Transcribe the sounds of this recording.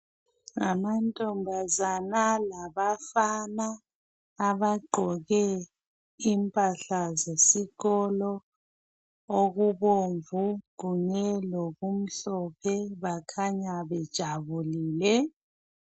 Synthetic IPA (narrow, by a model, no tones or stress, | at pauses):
ŋamantʼɔmbʱazanalaβafanaː | βaɡ͡ǃʱɔɣɛ | impʼaɬazesiɣɔlɔ | oɣuβoɱvuɣuɲɛloɣum̩ɬɔpʰɛβakʰaɲaβɛd̥ʒ̥ʱaβuliːlɛ